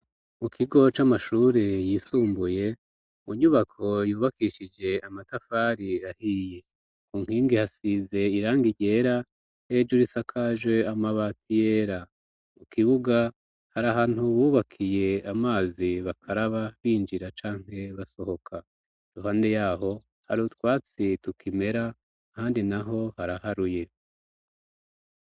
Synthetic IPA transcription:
mukʰiɡo̞t͡ʃamaʃuːɾejisuːmbuje̞ | muɲuβakʰo̞juːβakiʃid͡ʒe̞amatafaɾiahije̞ | kuːŋ̥hiːŋɡihasize̞iɾaːŋɡiɟe̞ːɾa | ed͡ʒuɾisakʰaʒwe̞amaβatijeɾa | mukiβuɡa | haɾaɦaːn̥huβuːβakʰije̞amaːziβakʰaɾaβaβiːnd͡ʒiɾat͡ʃaːŋ̥he̞βaso̞ho̞kʰa | duɦaːnde̞jaːho̞ | ha̰ɾutwaːt͡situkime̞ɾa | haːndinaɦo̞haɾahaɾuje̞

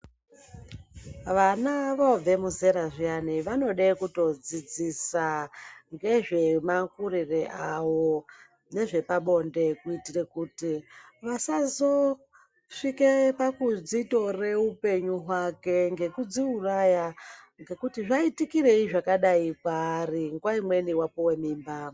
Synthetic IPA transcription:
ʋanaʋob͡ve̞muze̞ɾaʐianiʋano̞ɗakuto̞d͡zid͡zisaŋɡe̞ʐe̞makurireʔaʋo̞ | ne̞ʐe̞paɓo̞nde̞kuitirekutiʋasazo̞ | ʂikepakud͡zito̞re̞upe̞ɲuɦwake̞ŋɡe̞kud͡ziuraja | ŋɡe̞kutiʐaitikireiʐakaɗaipaːriŋɡwaimwe̞niwapowe̞miːmba

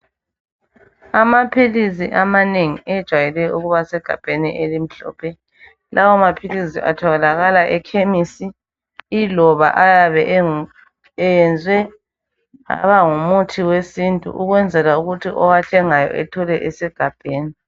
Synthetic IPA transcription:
amapʰilisiʔamaneŋiɛd̥ʒ̥ʱwajɛlɛuɣuβasɛɡ̥ʱa̰b̥ʱenḭʔelim̩ɬɔ̰ːpʰɛ | lawɔmapʰilisḭʔa̰tʰɔɣɛlaɣalaʔɛkʰemisi | ilɔβa̰ʔajaβɛ | jɛnd͡zʱwɛ | a̰βaŋumutʰiwesintʼṵʔuɣwɛnd͡zʱɛlauɣutʰiʔɔwaɬɛŋajɔ̰ʔɛtʰɔlɛʔɛsɛɡ̥ʱab̥ʱeːni

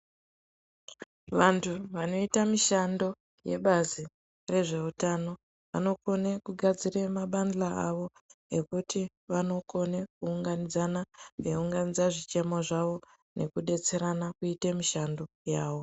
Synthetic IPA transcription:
ʋantʰuʋano̞itamiʃando̞ | je̞̰ɓazi | re̞ʐe̞utano̞ | ʋa̰no̞ko̞nekuɡʱad͡zire̞maɓanlaaʋo̞ekuti | ʋano̞ko̞nekuːŋɡanid͡zanaʋeuŋɡanid͡zaʐit͡ʃe̞mo̞ʐaʋo̞ | ne̞kuɗe̞t͡se̞ɾanakuitemiʃando̞ | jaːʋo̞

